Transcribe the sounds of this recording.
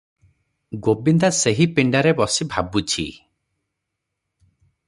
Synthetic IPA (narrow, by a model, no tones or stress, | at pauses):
ɡobind̪aseɦipiɳɖaɾebɔsibʱabut͡ʃʰḭ